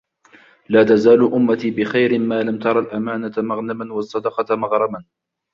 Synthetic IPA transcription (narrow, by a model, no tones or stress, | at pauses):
laːt̪azaːlʊʔʊmːat̪iːbɪxajɾɪːaːlamt̪ɑɾˤɑlʔamaːnat̪amaɣnamanwɑsˤːɑd̪ɑqɑt̪mɑɣɾˤɑban